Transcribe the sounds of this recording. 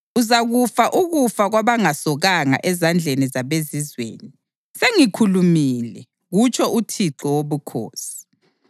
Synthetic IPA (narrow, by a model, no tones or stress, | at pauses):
uzaɣufaʔuɣufaɣwaβaŋasɔɣaŋa̰ʔɛzand͡ɮʱenizaβezizwḛːni | seŋikʰulumilɛ | ɣut͡ʃʰɔʔutʰiǁɔwoβukʰo̰ːsi̥